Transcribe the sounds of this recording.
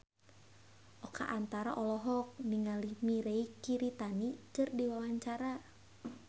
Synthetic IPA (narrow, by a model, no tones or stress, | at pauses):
ʔɔka̰ʔant̪aɾaʔɔlɔɦɔk̚niŋalimiɾeikiɾit̪anikɨrdiwawaɲt͡ʃaɾa